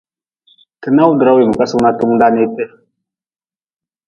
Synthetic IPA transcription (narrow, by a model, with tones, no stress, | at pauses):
tə˨na˦wu˦də˨ɾa˦wi˨mə˨ka˦su˦na˦tu˦m˦da˦ne˦te˦˨